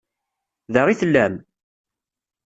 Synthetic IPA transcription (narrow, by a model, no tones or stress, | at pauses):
ðəʁiθəlːæm